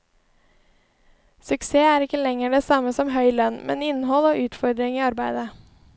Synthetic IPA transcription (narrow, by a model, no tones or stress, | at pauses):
sʉkseːæːɾɪkːəlɛŋəɖeːsɑməsɔmɦœʏlœnmʔɛ̰nɪnɦɔloːʔʉːt̪fɔɾd̪ɾɪŋiːɑɾbæɪd̪ə